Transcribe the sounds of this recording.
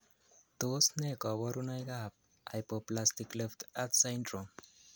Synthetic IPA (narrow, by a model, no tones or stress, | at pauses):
t̪osnekɔbɔɾunajɡap̚ | a̰jpoplasʈiklift̪at̪sajɳɖɾom